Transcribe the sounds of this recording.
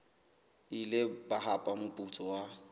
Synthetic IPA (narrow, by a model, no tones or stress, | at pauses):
ilɪbaɦapʼamʊpʼut͡sʼɔwa